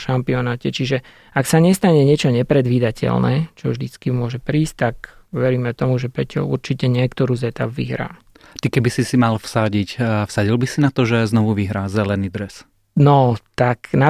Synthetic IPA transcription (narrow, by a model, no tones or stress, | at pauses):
ʃampiɔnaːcɛt͡ʃiʒɛ | aksaɲɛst̪aɲɛɲɪɛt͡ʃɔɲɛpɾɛd̪ʋiːd̪acʰɛ̰lnɛ̰ːt͡ʃɔvʒd̪it͡skimʊɔʒɛpɾiːsc̚t̪akʋɛɾiːmɛt̪ɔmuʒɛpɾɛt͡ʃɔ̰ṵɾt͡ʃicɛɲɪɛkt̪ɔɾuːzɛt̪a̰bʋḭɦɾa̰ː | t̪ikɛbisisimalfsaɟicfsaɟilbisinat̪ɔʒɛznɔʋuʋiɦɾaːzɛlɛniːd̪ɾɛs | nɔt̪akna